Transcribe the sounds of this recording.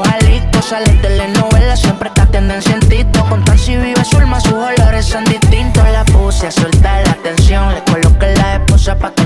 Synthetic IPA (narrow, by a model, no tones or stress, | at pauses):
halit̪osalent̪ɛlenowɛlasjɛmpɾekat̪ɛnd̪ɛnsjɛnt̪it̪okont̪ɾasiwiwasulmasuholoɾɛsand̪it̪int̪olapusasolt̪alat̪ɛnsjoŋlekolokalaeposapak